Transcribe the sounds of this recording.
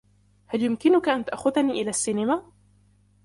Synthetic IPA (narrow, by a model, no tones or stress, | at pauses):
haljʊmkɪnʊkaʔant̪aʔxʊðaniːʔɪlaːsːiːnɪma